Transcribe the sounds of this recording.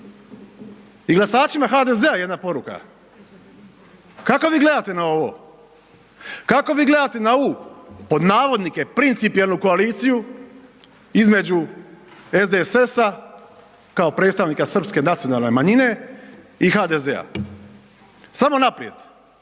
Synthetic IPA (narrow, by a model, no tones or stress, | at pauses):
iɡlˠasaːt͡ʃimaxad̪e̞zeajed̪napo̞ɾuka̰ | kako̞ʋiːɡle̞d̪at̪e̞nao̞ʋo̞̰ | kakoʋiːɡle̞d̪at̪e̞nauːpo̞d̪naːʋo̞d̪nike̞pɾint̪sipijelˠnuko̞aliːt̪siju | izme̞d͡ʑu | e̞zd̪esesa | kaopɾet̪st̪aʋnikasr̩pske̞nat̪ijo̞nalˠne̞maɲine̞ | ixaːd̪eze̞a̰ | samo̞napɾie̞d̪̥